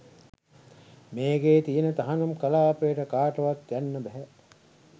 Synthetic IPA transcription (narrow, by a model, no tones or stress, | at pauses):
meːɡeːt̪ijenət̪aɦanumkɐlaːpejəʈəkaːʈɐʋat̪jænːəbɛɦɛ